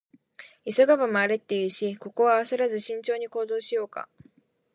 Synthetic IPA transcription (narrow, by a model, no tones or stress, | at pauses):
isoɡaβamoaɾet̪ːe̞jɯ̟ːɕiko̞ko̞βaːsɨɾazɨɕĩɲ̟t͡ɕo̞ːɲ̟iko̞ːd̪o̞ːɕijo̞ːka̰